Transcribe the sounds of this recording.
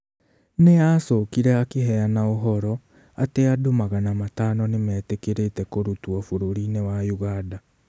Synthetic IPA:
neaːsɔkiɾɛakeɦɛanaoɦɔɾɔ | ateadomaɣanamataːnɔnemɛːtekeɾetɛkoɾutuɔfoɾoɾinewajuɣada

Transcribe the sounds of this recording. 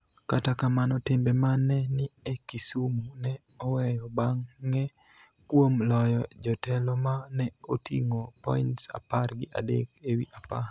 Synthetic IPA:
katakamanɔtɪmbemanɛnɪekisumunɛ | ɔwɛjɔbaŋːɛ | kwomlɔjɔd͡ʒɔtɛlɔmanɛotḭŋopɔ̰intsa̰parɡɪʔa̰dḛkewiʔapar

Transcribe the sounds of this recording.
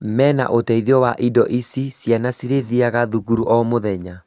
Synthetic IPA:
mɛna̰ʔotɛiðiɔwaʔidɔʔisisjanasiɾeðiaɣaðuɣuɾuʔɔmoðɛɲa

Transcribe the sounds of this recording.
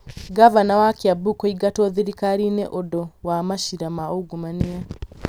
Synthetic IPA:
ɡavanawakiabukɔiɡatɔðiɾikaɾineʔɔdɔwamaʃiɾamaoɡumania

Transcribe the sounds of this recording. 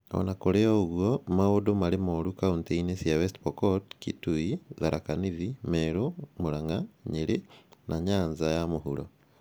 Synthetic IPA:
o̰nakoɾeoɣwomaodomaɾemoɾukaunteinesiawestpokotkituiðaɾʔakaniðimeɾomuɾaŋɡaɲeɾenʔaɲaːɲzajamoɦuɾo̰

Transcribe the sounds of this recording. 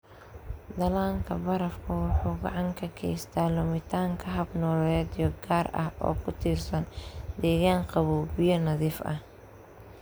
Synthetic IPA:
d̪ɐlaːŋkʰɐbɐɾɐfkʰʊwʊħuːɡɑ̰ʕɑŋkʰɐkʰɛ̰jst̪ʰaːlʊmɪt̪ʰaːŋkʰɐɦɐbnɔːlɛːd̪jɔɡaːrɐ̰hʔɔ̰ːkʰʊt̪ʰiːrsɐnd̪ɛːɣaːŋqɑβuːbɪjɐnɐðiːfʔɐ̰h

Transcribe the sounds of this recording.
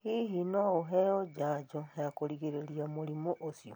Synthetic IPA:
hiɦinouɦejoɟaɟoejakoliɣeɾeliamulimoʔosjo

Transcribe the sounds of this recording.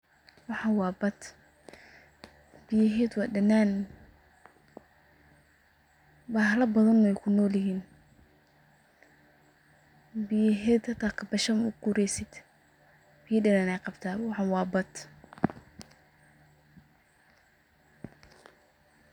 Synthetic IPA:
wɑħɑwɑːbɐt̪ | bɪjɐɦɛːd̪wɑːdɐnaːn | bɑːhlɐbɐðɐnɔɛjkʰʊnɔːljɪɦiːn | bɪjɐɦɛːd̪hɐt̪ʰaːkʰɐbɐʃɐmʊkʊɾɛjsɪd̪̥ | b̥ɪjɐɖɐnaːnɛjqɑbt̪ʰaːwɑħɑwɑːbɐt̪

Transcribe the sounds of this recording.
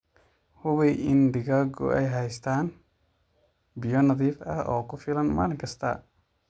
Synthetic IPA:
hʊβɛʔɪnd̪ɪɣaɡʊ̰ʔɛ̰jɦɛjst̪ʰaːn | bɪjɔnɐðiːfɐ̰hʔɔːkʰʊfɪlɐnma̰ːlɪŋkʰɐst̪ʰɐ̰

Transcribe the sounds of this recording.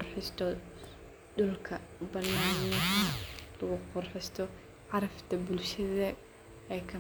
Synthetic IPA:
rħɪst̪ʰɔ | dʊlkʰɐbɐnaːnːɐkɐlɐɣʊqʊrħɪst̪ʰɔ | ʕɑɾɐft̪ʰɐbʊlʃɐðɐ | ɛjkʰɐ

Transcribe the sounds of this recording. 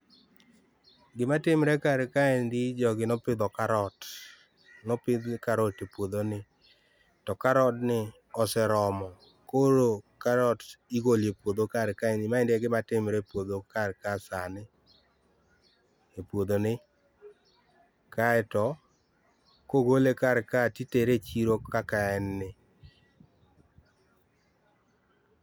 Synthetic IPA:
ɡɪmatɪmɾɛkaɾkaendid͡ʒɔɡɪnɔpɪd̪ɔkaɾɔt | nɔpɪd̪kaɾɔtepwod̪onɪ | tɔkaɾɔtnɪ | ɔsɛɾɔmɔ | koɾokaɾɔtiɡoljepwod̪okaɾkaɛnɪmaendeɡɪmatɪmɾepwod̪okaɾkasanɪ | epwod̪onɪ | kaɛtɔ | koɡolekaɾkatiteɾet͡ʃiɾokakaɛnːɪ

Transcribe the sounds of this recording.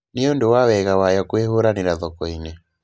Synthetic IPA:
neondowawɛɣawajɔkweɦoɾanɪɾaðɔkɔinɛ

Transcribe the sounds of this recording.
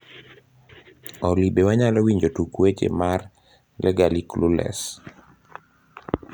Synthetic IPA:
ɔlibewaɲalɔwiɲd͡ʒotukwet͡ʃḛmar | lɛɡaliklulɛ̰s

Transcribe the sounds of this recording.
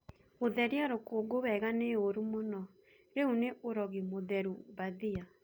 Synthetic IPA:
oðɛɾiaɾokoɡoβɛɣaneoɾumonɔ | ɾeuneʔoɾɔɣimoðɛɾubaðia

